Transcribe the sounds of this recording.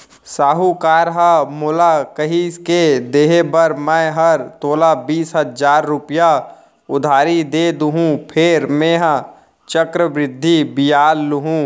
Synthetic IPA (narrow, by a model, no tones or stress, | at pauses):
saːɦukaːɾɦəmoːlakəɦisked̪eːɦebəɾmɛ̃ɦɐɾt̪oːlabiːsɦəzaːɾːʊpja | ʊd̪ʱaːɾid̪eːd̪uɦũpʰeːɾmẽːɦə̃ | t͡ʃəkɾəbɾɪd̪ʱːibɪjaːlːʊɦũ